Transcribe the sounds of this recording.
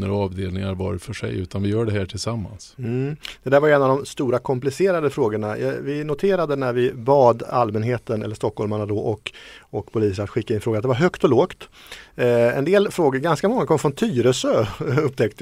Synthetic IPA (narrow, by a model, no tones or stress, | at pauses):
nəɾɔɑːvd̪eːlnɪŋaɾvɑɾfœʂɛ̰jʉ̟ːt̪anvɪjœːɖɛɦæːʈʰɪlsamːa̰nsm̩d̪̥ɛd̪æɾvajɛnːavd̪ɔmst̪uːɾakʰɔmplɪseːɾad̪əfɾoːɡəɳajvɪnʊt̪ʰeːɾad̪ənæɾvɪbɑːd̪a̰lmɛnɦeːt̪ənɛ̰lːəʂt̪ɔkhɔlmaɳad̪ɔʔɔkɔkpʰʊliːs̬əɾat̪ɧɪkːaɪnfɾoːɡat̪d̪ɛvaɾɦœkt̪ɔloːkt̪ | ɛ̰nd̪eːlfɾoːɡəɾɡanskamɔŋːakʰɔmːfɾɔnt̪ʰyːɾəsøɵp̚ːt̪ɛkt̪